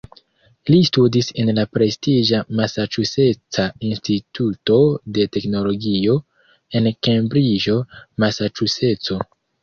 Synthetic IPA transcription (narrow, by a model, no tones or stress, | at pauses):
listudise̞nlapɾe̞stiʒamasat͡ʃuse̞t͡sainstituto̞de̞te̞kno̞lo̞ɡio̞ | enke̞mbɾid͡ʒo̞masat͡ʃuse̞t͡so̞